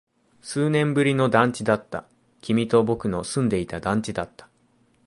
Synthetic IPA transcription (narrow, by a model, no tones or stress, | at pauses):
sɨːnẽ̞mbɯ̟ɾʲino̞d̪ãɲt͡ɕid̪at̪ːa̰ | kʲimʲit̪o̞bo̞kɯ̟no̞sɨ̃nd̪e̞it̪ad̪ãɲ̟t͡ɕid̪at̪ːḁ